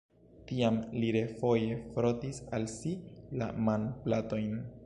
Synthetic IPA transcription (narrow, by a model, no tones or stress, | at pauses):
tiamliɾe̞fo̞jefɾo̞tisalsila̰manplato̞jn